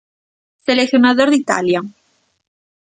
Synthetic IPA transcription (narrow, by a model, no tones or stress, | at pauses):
seleθjonaðoɾðit̪a̰lja